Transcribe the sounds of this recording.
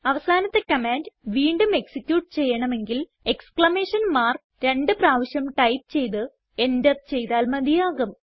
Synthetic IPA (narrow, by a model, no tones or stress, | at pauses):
ɐʋɐsaːnɐt̪ːe̞kɐmaːndʋiːɳɖume̞ksikʲjuːʈ̚t͡ɕe̞jːɐɳɐme̞ŋɡil | e̞kskɭɐme̞ːʂɐnmaːr | ɾe̞ɳɖɨpraːʋɐɕjɐmʈɐjp̚t͡ɕe̞jt̪ɨ | e̞ndɐtt͡ɕe̞jt̪aːlmɐd̪ijaːɣɐm